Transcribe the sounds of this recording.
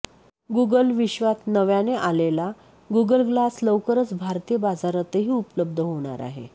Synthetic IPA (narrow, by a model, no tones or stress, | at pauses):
ɡuɡəlʋiɕʋat̪nəʋjaneʔalela | ɡuɡəlɡlasləwkəɾət͡sbʱaɾt̪ijəbad͡zaɾət̪əɦiːupləb̚d̪ʱəɦoɽ̃a̰ɾa̰ɦḛ